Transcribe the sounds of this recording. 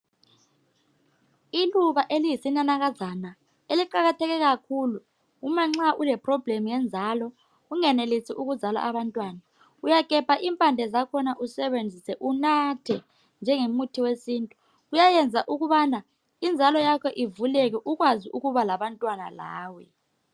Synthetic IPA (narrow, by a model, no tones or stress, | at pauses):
iluɓaʔelijisinanak̬azana | eliǃaɣatʰɛk̬ɛk̬akʰulu | umaŋ͡ǁaʔulɛpʰʼrɔbʱlemujɛnd͡zʱalɔ | uŋɛnelisiʔuk̬uzʱala̰ʔaɓantʼwaːna | ujakʼɛpʰaʔimpʼand͡ɮʱɛzakʰɔnaʔusɛβend͡zʱisɛʔunatʰɛ | nd͡ʒʱɛŋemutʰiwesiːntʼu | ujajɛnd͡zʱaʔuɣuβana | ind͡zʱalɔjakʰɔʔivulɛk̬ɛʔuk̬waziʔuɣuβalaɓantʼwana̰la̰ːwɛ